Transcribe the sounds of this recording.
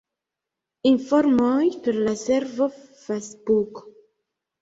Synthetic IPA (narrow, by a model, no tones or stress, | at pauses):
infoɾmojpeɾlaseɾvofesbuk